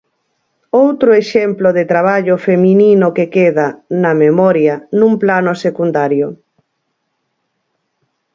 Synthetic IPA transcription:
owt̪ɾoeʃemploðet̪ɾaβ̞aʎofemininokekeðɐnɐmemɔɾjɐnũmplanosekund̪aɾjo

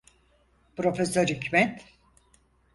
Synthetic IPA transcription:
pɾo̞fesøɾhycʲmɛt̪

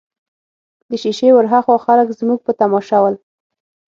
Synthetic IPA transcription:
d̪əʃiʃewəɾɦaxoxaləkzmuɡ̚pət̪amɔʃawəl

